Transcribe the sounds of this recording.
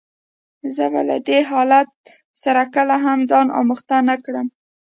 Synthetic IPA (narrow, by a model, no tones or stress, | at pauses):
zəba̰la̰d̪eɦɑlat̪̚ | saɾakəlaɦamzɑnʔɑ̰məxt̪anakɽəm